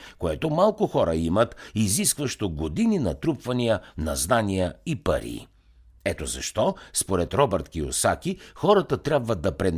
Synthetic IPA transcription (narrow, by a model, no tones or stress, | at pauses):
koɛt̪omalˠkʊxɔɾəimət̪iziskvəʃt̪oɡod̪ininɐt̪ɾupvɐnijənɐ̰znanijəipə̰ɾḭː | ɛt̪ozɐ̰ʃt̪ɔspoɾɛt̪ɾɔbɛɾt̪kio̰sakʲixɔɾɐt̪ət̪ɾʲabvəd̪ɐpɾɛn